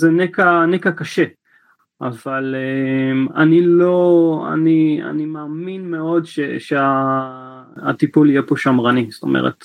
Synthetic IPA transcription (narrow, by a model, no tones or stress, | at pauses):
zenekanekakaʃe | ʔavaleema̰nilo̞a̰nia̰nimaːminmeo̞dʃeʃea | at̪ipulijepo̞ʃamʁanist̪o̞̰mʔḛʁḛt̪